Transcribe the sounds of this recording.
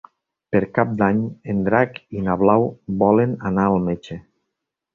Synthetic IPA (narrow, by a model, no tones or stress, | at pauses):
peɾkap̚d̪aɲend̪ɾakinaβlawbɔlenanaːlˠmet͡ʃe